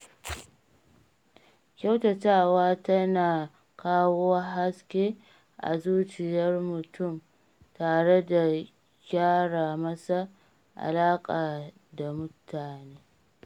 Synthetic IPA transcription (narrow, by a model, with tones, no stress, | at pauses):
kʲa˦wtɐ˨taː˦waː˦tɐ˦naː˨ | kaː˦woː˦wa˦ɦa˦skʲeː˦ | ʔa̰˨zuː˦t͡ʃɪ˨jɐ˦rmʊ˨tʊ˦˨m | taː˨ɽe˦da˨ | ɡʲaː˦ɽaː˨mɐ˦sa˦ | ʔa̰˨laː˦kʼaː˨ | da˨mʊ˦tʰaː˨neː˦